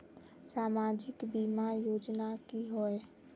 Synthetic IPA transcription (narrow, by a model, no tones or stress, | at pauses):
saːmaːd͡ʒɪkbiːmajoːd͡ʒnakiɦoe